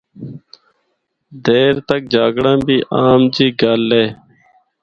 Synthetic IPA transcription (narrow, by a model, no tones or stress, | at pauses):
d̪ʱeːɾt̪ək̚d͡ʒaːɡɽãːbiːʔaːmd͡ʒiːɡaːlːeː